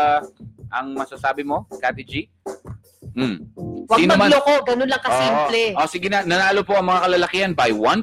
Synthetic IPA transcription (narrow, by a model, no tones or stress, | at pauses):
ʔɐŋmɐsasaːbɪmo̞kat̪ɪd͡ʒi | m̩wɐɡiːnnɐmalokoɡɐnonlɐŋkɐosiːmplɛʔosɪɡɪnɐnɐnaːlopoʔɐŋmɐŋakɐlalɐkɪhɐnbɐjwɐn